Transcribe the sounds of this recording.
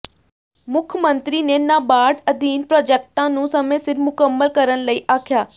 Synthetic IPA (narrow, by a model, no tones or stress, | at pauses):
mʊkʰmə̃nt̪ɾiːneːnaːbaːɖəd̪iːnpɾɔːd͡ʒeːk̚ʈãːnũːsəmẽːsɪɾmʊkəmːəlkəɾənləiːʔaːkʰjaː